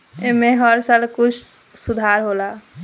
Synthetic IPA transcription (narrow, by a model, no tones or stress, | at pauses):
emeɦəɾsalkut͡ʃʰ | sud̪ʱaɾɦola